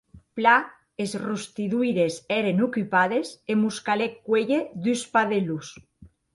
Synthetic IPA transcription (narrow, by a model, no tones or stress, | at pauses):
pla | ezrust̪iðujɾeseɾenukypað̞esemuskalekːwejeðyspaðelus